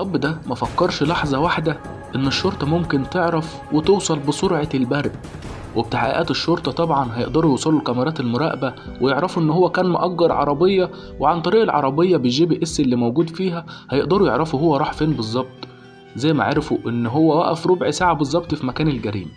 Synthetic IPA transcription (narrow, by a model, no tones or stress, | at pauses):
ʔɑbːd̪æmæfækːɑɾˤʃlɑħzˤɑwaħd̪æ | ʔenːeʃːoɾˤt̪ˤɑmomkent̪eʕɾæf | wet̪ewsˤɑlbesˤoɾʕɑlbæɾˤb | web̚t̪aħa̰ʔḭʔæːt̪eʃːoɾˤt̪ˤɑt̪ˤɑbʕɑnɦæjeʔd̪ɑɾˤujuːsˤɑlːulkæmɑɾˤɑːt̪elmʊɾˤɑ̰ːʔbæ | wejeʕɾɑfuʔenːhowːækæːnmoʔæɡːɑɾˤʕɑ̰ɾˤɑbejːɑ | weʕant̪ˤɑɾiːʔelʕɑ̰ɾˤɑbejːɑbeʒiːbeʔesːelːiːmæwɡuːd̪fiːɦæhæjeʔd̪ɑɾˤujeʕɾɑfuɦowːæɾˤɑːħfeːnbezˤːɑb̚t̪ˤ | zæjːmæ̰ʕɑ̰ɾɑfuʔenːɦowːæwæʔæfɾobʕsaːʕabezˤːɑb̚t̪ˤfimækæːnelɡæɾḭːm